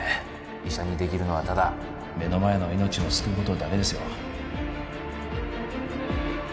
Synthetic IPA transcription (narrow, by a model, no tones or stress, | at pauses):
iɕaɲ̟id̪e̞kʲiɾɯ̟no̞βat̪ad̪a | me̞no̞mae̞no̞ino̞t͡ɕio̞sɨ̥kɯkot̪o̞d̪ake̞d̪e̞sɨjo̞̰